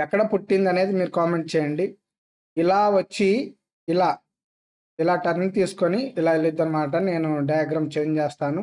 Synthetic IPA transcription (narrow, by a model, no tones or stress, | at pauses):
ɛkːɐɽɐpuʈːind̪ɐne̞ːd̪imiːɾukaːme̞ɳʈ̚t͡ʃɛːjɐɳɖi | ilaːʋɐt͡ʃːi | ilaː | ilaːʈɐɾnt̪iːsu̥koniːlaːilːid̪ːɐnɐmaːʈ̬ɐne̞ːnuɖɐjaːɡɾaːmt͡ʃeɲt͡ʃeːst̪aːnu